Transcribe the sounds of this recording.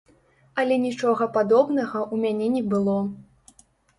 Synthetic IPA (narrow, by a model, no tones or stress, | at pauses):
ɐlʲɛnʲit͡ʂɔɣɐpad̪ɔbnɐɣɐʔumʲanʲɛnʲɛbɨlˠɔ